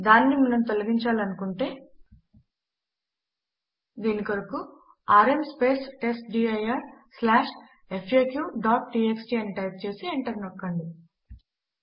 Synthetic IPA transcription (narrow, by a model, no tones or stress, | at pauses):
d̪aːnːimɐnɐmt̪olɐɡiɲt͡ʃaːlɐnukuɳʈe̞ː | d̪iːnikɐɾɐku | aːɾe̞mspe̞ːsʈe̞sʈɖiːɐjɐɾslaːʂ | e̞pʰjeːkjuːɖaːʈʈiːeksʈiːɐnːiʈɐjp̚t͡ʃe̞ːsieɳʈɐɾnokːɐɳɖi